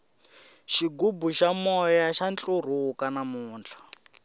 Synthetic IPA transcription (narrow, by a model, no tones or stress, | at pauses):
ʃiɡubuʃamɔjaʃant͡ɬʼur̤ukanamuːnt͡ɬʰḁ